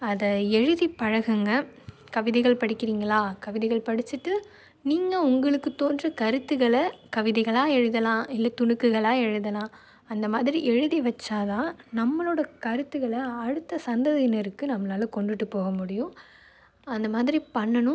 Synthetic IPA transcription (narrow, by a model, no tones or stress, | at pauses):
ɐðɐɛɻɯðipɐɻɐɣɐŋɡɐ | kɐʋɪðɛɪɣɐɭpɐɽɪkːɪɾiːŋɡɐɭaːkɐʋɪðɛɣɐɭpɐɽɪt͡ʃːɯʈːɯ | niːŋɡɐʊŋɡɐɭɯkːɯt̪oːndrɐkɐɾɯt̪ːɯɣɐɭɐkɐʋɪðɛɪɣɐɭaːɛɻɯðɐlãːɪlːɐt̪ʊɳɯkːɯɣɐɭaːɛɻɯðɐlãː | ɐnd̪ɐmaːðɪɾiʔɛɻɯðiʋɐt͡ʃːaːðãːnɐmːɐɭoːɽɐkɐɾɯt̪ːɯɣɐɭɐɐɽɯt̪ːɐsɐnd̪ɐðɐɪnɐɾɯkːɯnɐmːɐnaːlɐkɔɳɖɯʈːɯpːoːɣɐmʊɽɪjʊ̃ | ɐnd̪ɐmaːðɪɾipɐɳːɐnʊ̃